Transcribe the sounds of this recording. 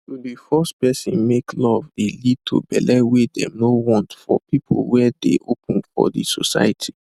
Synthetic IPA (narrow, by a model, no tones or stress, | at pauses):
ibifɜstpɛsĩnmeklɔvelid̚tʰo̰bɛ̰lɛwedɛ̰̃mnowɔ̃ntfɔpipʰo̰lwɛdḛʔopə̃nfɔ̰dḭsosa̰jətʰi